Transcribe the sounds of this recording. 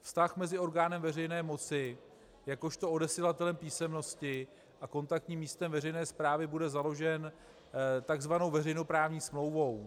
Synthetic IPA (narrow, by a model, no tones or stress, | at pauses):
fst̪axmɛzɪo̞ɾɡaːnɛmvɛrɛjnɛːmo̞t͡sɪ | jako̞ʃt̪o̞odɛsilat̪ɛlɛmpiːsɛmno̞scɪ | ʔako̞nt̪ak̚t̪ɲiːmːiːst̪ɛmvɛrɛjnɛːspɾaːvɪbudɛzalo̞ʒɛn | t̪aɡzvanowvɛrɛjno̞pɾaːvɲiːsmlo̞wvo̞w